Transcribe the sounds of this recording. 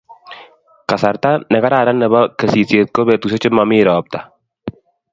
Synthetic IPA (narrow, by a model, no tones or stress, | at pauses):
kasaɾt̪anɛɣaɾaɾanːɛβakəsit͡siet̪̚koβet̪us̬ot͡ʃɪmamiɾaɔp̚t̪a